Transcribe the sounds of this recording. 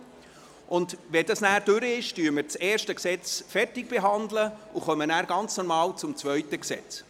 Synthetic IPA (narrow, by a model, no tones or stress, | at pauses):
ʔʊndʋɛdɑsnæːɾd̥ʏɾəɪʃtyːɾmɪɾt͡sɛːɾʃtəksɛt͡sfɛrtɪɡ̚b̥eɦɑndləʔuχœmənæːɾɡɑnt͡snɔrmɑːlt͡sʊmt͡svœʏtəksɛ̰t͡s